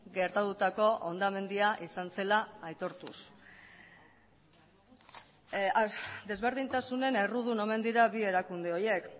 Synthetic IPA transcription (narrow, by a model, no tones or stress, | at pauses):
ɡe̞ɾt̪at̪ut̪ako̞ʔond̪ame̞nd̪iaʔisanse̞laːjt̪o̞ɾt̪ṵs | d̪e̞zβe̞ɾð̞int̪asune̞ne̞ruð̞uno̞me̞nd̪iɾaβie̞ɾakund̪e̞o̞je̞k